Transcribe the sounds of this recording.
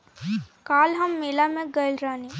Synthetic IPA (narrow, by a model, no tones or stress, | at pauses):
kaːlɦɐmːeːlamẽɡəɪlɾaːni